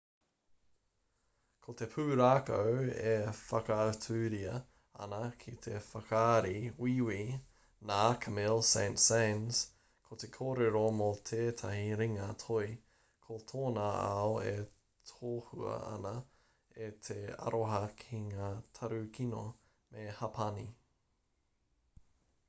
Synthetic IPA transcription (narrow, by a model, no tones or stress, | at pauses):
kʰot̪e̞pʰʉːɾaːkɐwefɐkɐːtʰʉːɾiɐ | ɐ̰nɐkʰit̪ʰefɐkaːɾiwiwi | naːkʰɐmilsẽɪntsẽɪnz̥ | kʰot̪ekʰoːɾeɾomot̪ʰeːt̪ʰɐhiɾiŋɐt̪ʰoi | kʰot̪ʰoːnaa̰oe | t̪ʰoːhuɐ̰ɐ̰nɐ | et̪ʰeɐ̰ɾoɦɐkʰiŋaːt̪ʰɐɾʉkʰino | mehɐpʰɐni